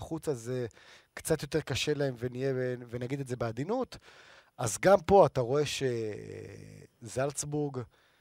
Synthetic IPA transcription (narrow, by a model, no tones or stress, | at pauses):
χut͡sazekt͡sat̪jo̞te̞ʁkaʃe̞lae̞mvenijebvenaɡid̪etze̞bead̪inutazɡampo̞ataʁo̞e̞ʃḛ | zalsbuʁɡ